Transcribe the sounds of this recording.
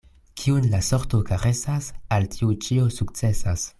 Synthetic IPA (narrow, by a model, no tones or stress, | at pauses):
kʰiunlaso̞ɾtokaɾe̞sasaltʰiut͡ʃio̞sukt͡se̞sas